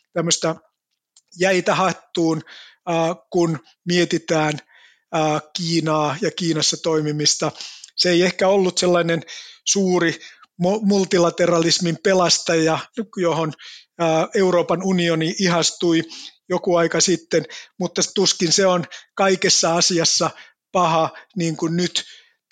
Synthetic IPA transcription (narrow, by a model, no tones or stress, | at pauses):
t̪æmːøst̪ɑ | jæit̪æhɑt̪ːuːnː | kun | miet̪it̪æːnː | kiːnɑːjɑkiːnɑsːɑt̪oimimist̪ɑseeiehkæolːut̪selːɑinensuːrimomult̪ilɑt̪erɑlismimpelɑst̪ɑjɑjohonː | euroːpɑnunioniihɑst̪uijokuɑikɑsit̪ːenmut̪ːɑst̪uskinseonkɑikesːɑɑsiɑsːɑ | pɑhɑniːŋkunnyt̪